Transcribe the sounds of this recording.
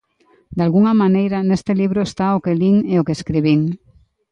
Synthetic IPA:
d̪alɣuŋamanejɾanest̪eliβ̞ɾoest̪aokeliŋeokeskɾiβ̞iŋ

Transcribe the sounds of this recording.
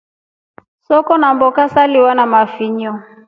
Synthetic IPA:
sɔkɔnambɔkasaliwanamafiɲɔ

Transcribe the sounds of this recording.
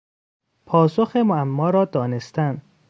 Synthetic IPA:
pʰɒːsoxemoæmːɒːɾɒːd̪ɒːne̞st̪ænd̪

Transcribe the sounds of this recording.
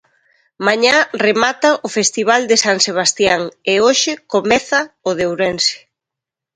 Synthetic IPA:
maɲaremat̪ɐʔʊfest̪iβ̞ald̪ɪsaŋseβ̞ast̪jaŋeoʃɪkomɛθɐʊðewɾɛnsɪ̥

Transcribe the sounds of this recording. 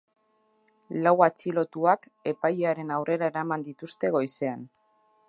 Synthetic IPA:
lawat͡ʃilo̞t̪uak | e̞pajeaɾe̞nawre̞ɾae̞ɾamand̪it̪ust̪e̞ɣ̞o̞jse̞an

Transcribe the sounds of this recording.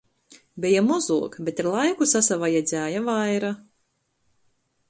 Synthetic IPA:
bɛjamɔzuɔkbet̪aɾlˠajkusasavajɛd̪zʲæːjavajɾa

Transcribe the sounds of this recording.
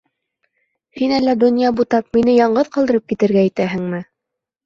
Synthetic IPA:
hinælːæd̪ŏnʲjɑbut̪ɑp̚minɘjɑɴɢɤðqɑlˠd̪ɤ̆ɾɤp̚kit̪ɘ̆ɾɡæːt̪æɦɘŋmɘ

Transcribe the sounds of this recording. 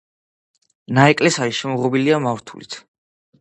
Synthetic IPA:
naɛkʼlɛsaiʃɛmɔʁɔbiliamavɾt̪ʰṵlḭt̪ʰ

